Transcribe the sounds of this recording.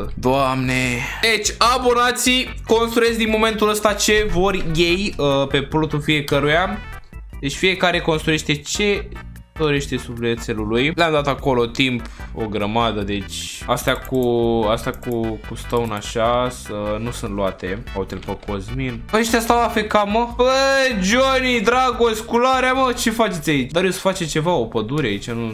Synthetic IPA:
d̪oamned̪et͡ʃʲabonat̪siko̞nst̪ɾuje̞zʲd̪inmo̞mẽ̞nt̪uləst̪at͡ʃe̞vo̞rʲjejəpe̞plut̪ufije̞kəɾuja | d̪e̞t͡ʃʲfije̞kaɾe̞ko̞nst̪ɾuje̞ʃt̪e̞t͡ʃe̞ | d̪̥o̞ɾe̞ʃt̪e̞subleet̪se̞lulujleamd̪at̪ako̞lo̞t̪impo̰ɡɾəmad̪əd̪e̞t͡ʃʲast̪eakuast̪akukust̪əwnaʃasənusɨnt̪luat̪e̞awut̪elpəkozminaeʃt̪ast̪awlafekaməəjd͡ʒonid̪ɾaɡosʲkulaɾeamət͡ʃe̞fat͡ʃet̪ʲait͡ʃd̪aɾowsə̥fat͡ʃet͡ʃe̞vao̞pəd̪uɾeait͡ʃanu

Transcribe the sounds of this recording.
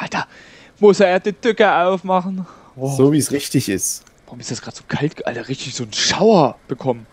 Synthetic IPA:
ʔalta | mʊseːɐdiːd̥ʏkəaʊfmaχn̩ | zoːviːsʁɪçtɪçɪst | vaʁʊmɪstd̥asɡ̥ʁaːtz̥oːkʰaltɡ̥əʔa̰ləʁɪçtɪçz̥oːnʃaʊɐb̥əkʰɔmən

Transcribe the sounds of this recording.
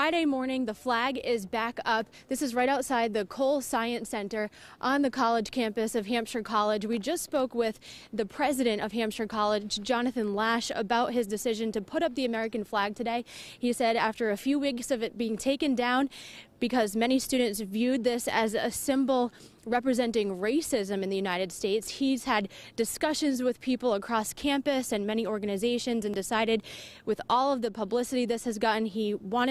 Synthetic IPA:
fɹaɪɾeɪmɔɹnɪ̃ŋðəflæɡɪzbækʌp̚ðɪsɨzɹaɪɾaʊtsaɪd̪̚ðɨkʰoʊlˠsaɪɨ̃nsɛ̃ntə˞ʔə̃nðɨkʰɑlˠəd͡ʒʒ̥kʰæ̃mpɨsʌv̥ɦæ̃mpʃə˞kʰɑlˠɪd͡ʒwid͡ʒʌstspoʊkwɪðɨpʰɹ̥ɛzɨɾɨ̃ñtʌv̥ɦæ̃mpʃə˞kʰɑlˠɪd͡ʒd͡ʒɑnɨθɨ̃nlæʃə̰baʊt̚ɦɨzdɨsɪʒɨ̃ntɨpʰʊɾʌp̚ðiɨmɛɹɨkɨ̃n̩flæɡ̚tʰɨdeɪisɛɾæftə˞ɨfjʉwiksʌvɨt̚b̥iɪ̃ŋtʰeɪkɨ̃ndãʊ̃nb̥ɨkʰʌzmɛñistʉdⁿn̩tsvjʉd̪̚ðɪsɨzɨsɪ̃mbl̩ˠ | ɹɛpɹɨzɛ̃ntɪ̃ŋɹeɪsɪzɨ̃mɨ̃nðɨjʉnaɪɾɨd̥steɪtshiz̥ɨd̚ɨskʌʃɨ̃nzwɨð̥pʰipl̩ˠəkʰɹ̥ɔskʰæ̃mpɨsɨ̃nmɛɾ̃iɔɹɡɨnɨzeɪʃɨ̃nzɨ̃ndɨsaɪɾɨd̚wɨðɔlˠʌvðɨpʰəblɪsɨɾiðɪshɨzɡɑʔn̩iwɑ̃ɾ̃

